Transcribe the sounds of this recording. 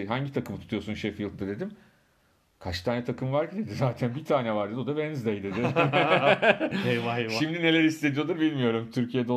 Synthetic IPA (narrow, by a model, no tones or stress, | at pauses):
ɦaɲɟit̪ʰakʰɯmɯt̪ʰu̥t̪ʰujo̞sunʃefilˠt̪ːɯd̪e̞d̪im | kʰat͡ʃt̪ʰaːnɛt̪ʰakʰɯmvaɾcid̪e̞d̪izaːt̪ʰænbit̪ʰaːnɛvaɾd̪e̞d̪od̪abɛnzd̪ejd̪e̞d̪ɪ | ejvajʃimd̪ine̞lʲæɾiist̪e̞d̪ijo̞d̪ɯɾbilʲmijo̞ɾumt̪ʰyɾcʰijed̪o